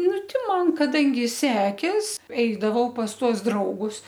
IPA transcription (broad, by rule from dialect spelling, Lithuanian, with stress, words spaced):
ˈnʊ ˈtʲɪ ˈmɐn kɐˈdɐŋʲɡʲɪ ˈsʲæːkʲeːs ˈɛɪdɐʋɐʊ pɐs ˈtuɔs ˈdrɐʊɡʊs